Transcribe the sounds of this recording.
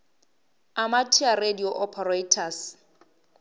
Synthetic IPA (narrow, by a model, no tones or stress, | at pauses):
amatʰiarediɔʔɔpʰaretʰas